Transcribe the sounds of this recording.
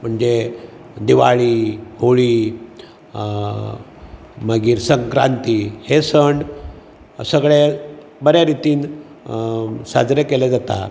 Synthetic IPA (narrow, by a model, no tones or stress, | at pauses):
m̤əɳd͡ze | d̪iʋaɭiːhoɭiː | məɡiːɾsəŋkɾa̰nt̪ihesəɳɖ | səɡɭe | bəɾjaɾit̪iːn | sa̰d͡zɾekeled͡zat̪a̰